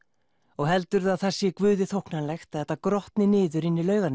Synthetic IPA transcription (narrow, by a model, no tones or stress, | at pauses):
ɔɣɦɛlt̪ʏɾaðθasːjɛkvʏːðɪθowhknanlɛxt̪aðɛht̪ːakɾɔht̪nɪnɪːðʏɾɪnːɪlœːɥɣan